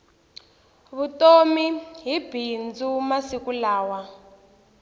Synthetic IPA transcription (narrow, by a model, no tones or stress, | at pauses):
βutomiɦib̥ʱind͡zumasikulaːwa